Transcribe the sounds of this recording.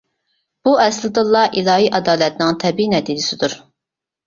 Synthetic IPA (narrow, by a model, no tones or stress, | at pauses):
b̥uɛslˠɨd̪ɨlˠːɑʔilˠɑːɦiʔɑd̪ɑːlɛt̪nɪŋt̪ʰɛbiinɛd̪id̪ɪsɪd̪uɾ